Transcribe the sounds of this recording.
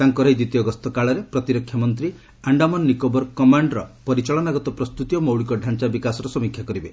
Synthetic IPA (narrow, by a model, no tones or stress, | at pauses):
t̪aŋkɔɾɔid̪it̪ijɔɡɔst̪ɔkaɭɔɾepɾɔt̪iɾɔkʰːjamɔnt̪ɾi | aɳɖamɔnːikobɔɾkɔmaɳɖɾɔpɔɾit͡ʃɔɭɔnaɡɔt̪ɔpɾɔst̪ut̪ijɔmowɭikɔɖʱant͡ʃabikasɔɾɔsɔmikʰjakɔɾibe